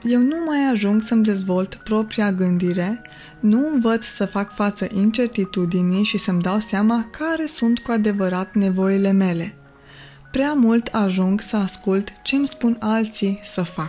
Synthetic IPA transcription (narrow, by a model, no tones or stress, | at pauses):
je̞wnumajaʒuŋɡsəmd̪e̞zvo̞lt̪pɾo̞pɾiaɡɨnd̪iɾe̞ | nuɨmvət̪ssəfakfat̪səʔint͡ʃe̞rt̪it̪ud̪inijʃisəmd̪awseamakʰaɾe̞sunt̪kuad̪e̞vəɾat̪ne̞vo̞ile̞me̞le̞ | pɾeamult̪ʰaʒuŋɡsəaskult̪t͡ʃe̞mspunalt̪sisəfak̚